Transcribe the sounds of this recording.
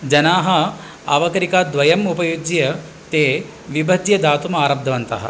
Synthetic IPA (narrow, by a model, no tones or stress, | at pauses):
d͡ʒɐnaːɦɐ | a̰ːʋɐkɐɾikaːd̪ʋɐjɐmupɐjud͡ʒjɐ | t̪eː | ʋibʱɐd̪jɐd̪aːt̪umaːɾɐb̚d̪ʱɐʋɐnt̪ɐ̰ɦɐ̰